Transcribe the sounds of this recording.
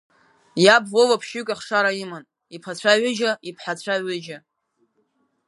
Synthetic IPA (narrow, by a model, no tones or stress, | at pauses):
jabvowapʰʃykʲʷʼaχʂaɾaiman | ipʰat͡ɕʷʰaʕʷʏʒaipʰħat͡ɕʷʰaʕʷɪʒa